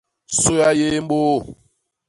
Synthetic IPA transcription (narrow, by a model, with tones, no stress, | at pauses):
so˦ja˦je˦m̩˦ɓo˦˨